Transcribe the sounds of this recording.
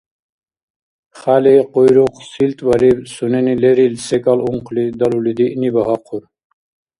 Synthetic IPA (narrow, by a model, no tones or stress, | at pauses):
χaleqojɾuqsilt̪vɐɾibsunenileɾilsekaluŋqʰlid̪ɐlulid̪iʔnibɐɦɑqʰuɾ